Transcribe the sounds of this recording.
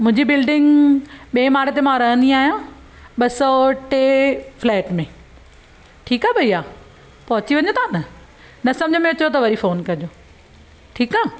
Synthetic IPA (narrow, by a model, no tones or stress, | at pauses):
mʊ̃ɦɪ̃ɲd͡ʑibɪlɖɪ̃ŋɡɓẽːmaːɽet̪emãɾɐɦə̃nd̪iaːɦijã | ɓɐsɔʈeflɛːʈmẽ | ʈʰiːkaːbʱɐiːaː | pɐɦʊt͡ɕiʋɐ̃ɲot̪ʰãnɐ | nɐsɐ̃md͡ʑʱəmẽʊt͡ɕot̪ɐʋɐɾifoːnkɐd͡ʑoː | ʈʰiːkaː